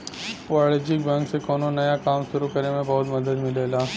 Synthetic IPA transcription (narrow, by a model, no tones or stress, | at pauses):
pɔɭed͡ʒɪkbɛ̃ŋksekoːnonɐjakaːmʃʊɾukɐɾemẽbɐɦʊt̪mɐd̪əd̪mɪleːlaː